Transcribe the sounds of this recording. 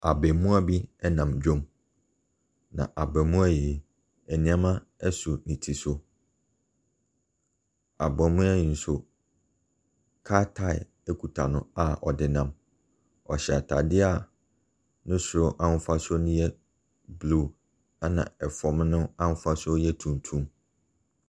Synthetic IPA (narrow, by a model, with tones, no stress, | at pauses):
a˨bɛ˨mũ˦a˦bi˦ɛ˦nã˨md͡ʑᶣõ˦m | nã̰˨ʔa˨bɛ˨mũ˦a˦jɛ˨ | ɛ˨nĩ˨˦a˦mã˦ | ɛ˦su˨nĩ˨tʰi˨sʊ˦ | a˨bɔ̃˨mʊ̃˦a˦jĩ˨n̩˦sʊ˨ | kʰa˦tʰa˦˨ɪ̰˨ | ɛ˦kʰu˨tʰa̰˨nʊ̰̃˦a˨ɔ˨dɪ˨nã˦m | ɔ˨ɕɛ˨a˨tʰa˨dɪ˦a˦˨ | nʊ̃˦sʊ˨ʊ˨˦ʔã˦n̩˦fa˦sʊ˦nʊ̃˦jɛ˦ | blu˦˨ | a˦nã̰˨ɛ˨fɔ˨m˦nʊ̃˦ã˦n̩˦fa˦sʊ˦jɛ˦tʰũ˨n˨tʰũ˦m